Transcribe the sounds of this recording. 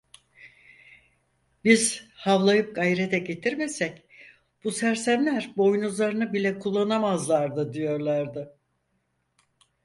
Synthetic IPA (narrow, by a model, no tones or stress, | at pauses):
biz̥havlˠajɯp̚ɡajɾet̪ʰɛɟe̞t̪ʰiɾme̞sɛc | b̥usæɾsæmlʲæɾbo̞jnuzlˠaɾɯnɯbilʲɛkʰulˠːanamazlˠaɾd̪ɯd̪ijo̞ɾlˠaɾd̪ɪ